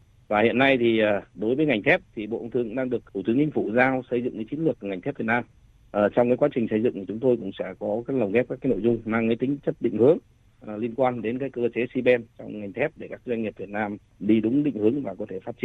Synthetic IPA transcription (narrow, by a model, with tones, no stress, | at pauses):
vaː˨˩hḭ˧˨ənːa˧jt̪ʰi˨˩ʔəː˨˩ɗo˨˦jvə˨˦jŋa˨˩jŋ̟t̪ʰɛ˦˥p̚t̪ʰi˨˩ɓo̰˧˨ʔwt̪ɨ˧˨əŋɗaː˧ŋɗɨ˨˩ək̚t̪ʰu˧˩t̪ɨ˨˦əŋt͡ɕï˧ŋ̟fu˧˩zaː˧wsə˧jzɨ̰˧˨ŋkaː˨˦jt͡ɕi˨˦nlɨ˨˩ək̚ŋa˨˩j̟t̪ʰɛ˦˥p̚vi˨˩t̚naː˧m | ʔəː˨˩t͡ɕɔ˧wŋ͡mkaː˨˦kwaː˨˦t͡ɕï˨˩ŋ̟sə˧jzɨ̰˧˨ŋt̪i˨˩t͡ɕʊ˨˦ŋ͡mt̪o˧jkʊ̰˧˥ŋ͡msɛ̰˧˥˩kɔ˨˦kaː˨˦˥k̚lə˨˩wŋ͡mɣɛ˦˥kaː˦˥kaː˨˦no̰˧˨jzʊ˧ŋ͡mmaː˧ŋkaː˨˦jt̪ï˨˦ŋ̟t͡ɕə˦˥t̚ɗḭ̈˧˨ŋ̟hɨ˨˦əŋː˨˩ | li˧ənkwaː˧nɗe˨˦nkaː˨˦˥jkəː˧t͡ɕe˨˦si˧ɓɛ˧nt͡ɕɔ˧wŋ͡mŋa˨˩jŋ̟t̪ʰɛ˦˥p̚ɗe˧˩kaː˦˥k̚ːzwa˧jŋi˨˩p̚vi˨˩ət̚naː˧m | ɗi˧ɗʊ˨˦ŋ͡mɗḭ˧˨ŋ̟hɨ˨˦əŋvaː˨˩kɔ˨˦t̪ʰe˧˩faː˦˥t̚t͡ɕi˧˨n